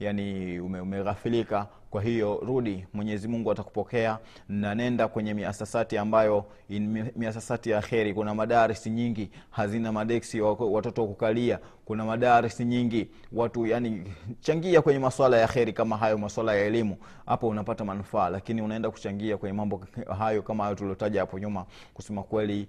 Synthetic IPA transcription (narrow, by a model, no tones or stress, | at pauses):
janiumɛumɛɣafilika | kwaɦijɔɾuɗimwɛɲɛzimuŋɡuataku̥pɔkɛa | n̩nanɛndakwɛɲɛmiasasatiambajɔ | imiasasatijaxɛɾikunamaɗaːɾɛsiɲiŋɡihazinamaɗɛksiwatɔtɔwakukalia | kunamaɗaːɾɛsiɲiŋɡi | watujanit͡ʃaŋɡiakwɛɲɛmaswalajaxɛɾikamaɦajɔmaswalajaɛlimu | ha̰pɔunapatamanufaːlakiniunaɛndaku̥t͡ʃaŋɡiakwɛɲɛmambɔɦajɔkamahajɔtuliɔtaʄahapɔɲuma | kusɛmakwɛli